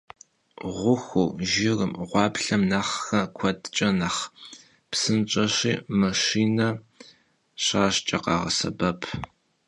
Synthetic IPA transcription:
ʁʷʊxuʒɪrɨmʁʷɑːbɬɐmnaːχxɐkʷʰɔdt͡ʃʼɐnɐχ | psɨnt͡ʃʼɐɕiːmɐʃiːnɐ | ɕaːɕt͡ʃʼɐqɑːʁɐ̰sɐ̰bɐpʰ

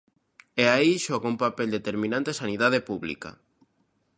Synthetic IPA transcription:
eaiʃɔɣumpapeld̪et̪eɾmĩnãnt̪esaniðað̞epuβlḭka̰

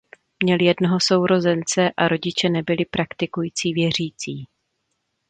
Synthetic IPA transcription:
mɲɛljɛdnoɦo̞so̞wɾo̞zɛnt͡sɛʔaɾo̞ɟɪt͡ʃɛnɛbɪlɪpɾakt̪ɪkujiːt͡siːvjɛr̝iːt͡siː

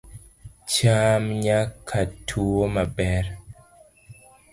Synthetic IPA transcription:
t͡ʃamɲakʰːatʰuomabɛɾ

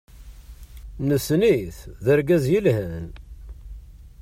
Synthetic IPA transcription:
nəsniθðəɾɡæzjəlhən

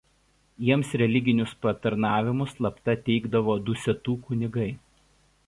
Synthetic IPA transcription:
jiɛmsɾʲɛlʲɪɡʲɪnʲʊspɐt̪ɐɾnɑːʋʲɪmʊslˠɐpt̪ɐt̪ʲɛɪɡd̪ɐʋoːd̪ʊsʲɛt̪uːkʊnʲɪɡɐɪ

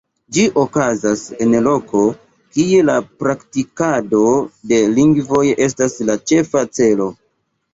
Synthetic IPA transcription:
d͡ʒiʔokazase̞nlo̞kʰo̞ | kie̞lapɾaktikado̞de̞liŋɡvo̞je̞s̬taslat͡ʃe̞fat͡se̞lo̞

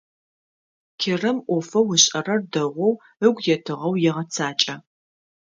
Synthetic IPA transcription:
kʲʰɪrɐmʔʷɔfɐwʊɕʼɐrɐrdɐʁʷɔw | əɡʷjɛtʰɨʁɐwjɛʁɐt͡sʰaːt͡ʃʼɐ

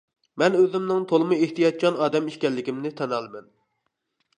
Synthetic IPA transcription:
mɛnøzɪmnɪŋt̪ʰolˠɨmɨeht̪ijɑt̪̚t͡ʃʰɑnɑːd̪ɛmiʃkʲɛlːɪkʲimnɪt̪ʰɛnɑlˠmɛn

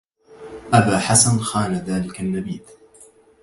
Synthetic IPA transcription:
ʔabaːħasanxaːnaðaːlɪkanːabiːd̪

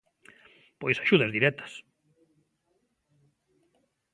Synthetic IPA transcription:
pojsaʃuð̞ɐzðiɾɛt̪ɐ̥s

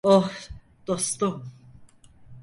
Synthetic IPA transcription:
oh | d̪̥ost̪um

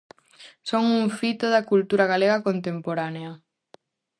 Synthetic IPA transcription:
soŋuŋfit̪oðakult̪uɾaɣaleɣɐkont̪empoɾaneɐ

